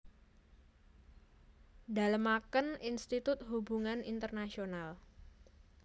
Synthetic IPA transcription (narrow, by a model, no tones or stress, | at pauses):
da̤ləmakəninst̪it̪ʊt̪̚ɦubṳŋanint̪ərnasional